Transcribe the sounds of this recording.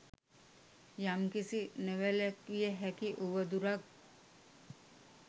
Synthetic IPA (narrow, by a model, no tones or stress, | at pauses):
jamkisineʋelekːijəɦɛkiʔuʋəd̪uɾak